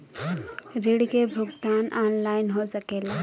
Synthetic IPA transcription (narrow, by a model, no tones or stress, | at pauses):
ɾeɽkebʱʊɡt̪anʔanlaɪnɦosəkeːla